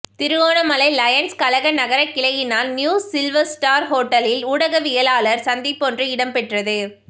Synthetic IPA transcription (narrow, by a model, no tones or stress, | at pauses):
t̪ɪɾɯɣoːnɐmɐlɐɪlɐjɐnskɐlɐɣɐnɐɣɐɾɐkːɪɭɐjɪnaːlnjuːsɪlʋɐɾsʈaːɾɦoːʈːɐlɪlʊɽɐɣɐʋɪjɐlaːlɐɾsɐnd̪ɪpːɔndrɯɪɽɐmpɛʈrɐðɯ